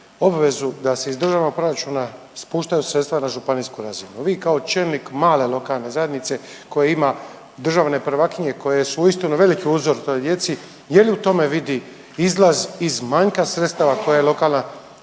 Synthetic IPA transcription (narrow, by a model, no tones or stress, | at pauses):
o̞bʋe̞zud̪ase̞izd̪r̩ʒaʋno̞ɡ̚pɾo̞ɾat͡ʃuna | spuːʃt̪ajusɾet̪st̪ʋanaʒupaniːskuɾazinuʋiːkaot͡ʃelnikmaːle̞lˠo̞kalˠne̞zaje̞d̪nit̪se̞ | ko̞jeima | d̪r̩ʒaʋne̞pɾʋakiɲe̞ko̞jesuuist̪inuʋe̞likiuzoɾt̪o̞jd̪je̞t̪si | jeliut̪o̞me̞ʋid̪i | izlazizmaɲkasɾet̪st̪aʋako̞jajelˠo̞kalˠna